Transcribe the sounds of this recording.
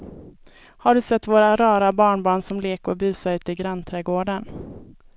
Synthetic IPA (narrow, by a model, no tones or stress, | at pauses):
haɖɵsɛt̪ːvoːɾaɾɑːɾabɑːɳbɑːɳsɔmleːkɔbʉ̟ːsaɾʉ̟ːt̪əɪɡɾanːt̪ʰɾɛːɡoːɖən